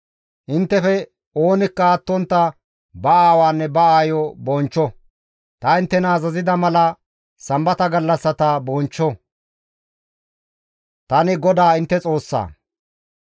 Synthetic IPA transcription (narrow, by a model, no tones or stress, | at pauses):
ʔɪnt̪ːɛfɛ | oːnɪkːɐːt̪ːɔnt̪ːɐ | bɐaːwaːnːɛbɐaːjɔbɔnt͡ʃːɔ | t̪ɐɪnt̪ːɛnɐːzɐzɪd̪ɐmɐlɐ | sɐmbɐt̪ɐɡɐlːɐsːɐt̪abɔːnt͡ʃːɔ | t̪ɐnɪɡɔd̪aːɪnt̪ːɛt͡sʼo̞ːsːa̰ː